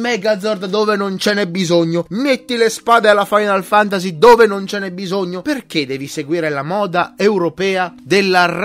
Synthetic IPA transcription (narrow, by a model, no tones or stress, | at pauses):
mɛɡad̪zːɔrd̪d̪oːvenont͡ʃɛnɛbːizoɲːʊmet̪ːilespaːd̪ealːafajnalfant̪̬azid̪oːvenont͡ʃɛnɛbːizoɲːoperk̟ed̪ɛːviseɡwiːɾelamɔːd̪aewɾopɛːad̪elːar